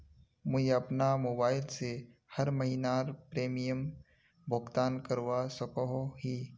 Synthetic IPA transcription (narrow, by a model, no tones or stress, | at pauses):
mʊd͡ʒɐpnamoːbaːɪlse | hɐɾmɐɦinaːɾpɾeːmijəm | bʱʊɡt̪aːnkəɾwasɐkoɦoɦiː